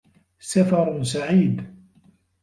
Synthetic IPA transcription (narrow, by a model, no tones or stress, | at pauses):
safɑɾˤsaʕiːd̪